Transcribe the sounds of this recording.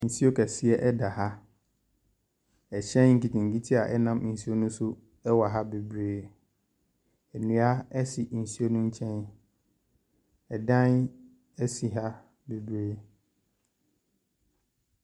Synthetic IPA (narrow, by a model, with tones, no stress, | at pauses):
n̩˨si˦o˦kʰɛ˨si˦ɛ˦ʔɛ˦da˨ha˦ | ɛ˨t͡ɕʰɛ̃˦nŋ̩˨ki˨tʰĩ˨ŋ˨ki˦tʰi˦a˨ʔɛ˦nã˦mn̩˨si˦o˦nʊ̃˦sʊ˦ | ɛ˦wa˨ɦa˦be˨bɾeː˦ | ɛ˨nĩ˨a˦ɛ˦si˨n̩˨si˦o˦nʊ̃˦ɲ̩˦t͡ɕʰɛ̃˦n | ɛ˨dã˦n | ɛ˦si˨ɦa˦ | be˨bɾeː˦